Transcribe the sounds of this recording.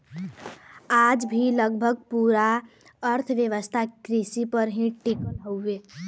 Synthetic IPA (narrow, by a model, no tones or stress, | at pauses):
ad͡ʒbʱiləɡbʱəɡ̚puɾa | əɾt̪ʰʋjeʋəst̪ʰakɾisipəɾɦĩʈikəlɦoʊbe